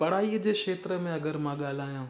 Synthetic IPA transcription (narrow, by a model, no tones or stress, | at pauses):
pɐɽ̤aːiːəd͡ʑeːkʃeːt̪ɾəmẽɐɡəɾmãɠaːl̤aːjãː